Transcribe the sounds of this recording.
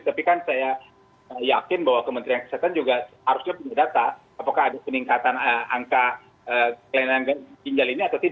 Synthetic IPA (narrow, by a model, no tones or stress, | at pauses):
t̪apikansaja | əjakɪnbawakəmənt̪ɾiankə̥sat̪and͡ʒuɡahaɾʊsɲapuɲadat̪aː | pakaːdapəniŋkat̪anəa̰ŋka | əkananɡakiɲd͡ʒaliniat̪awt̪ida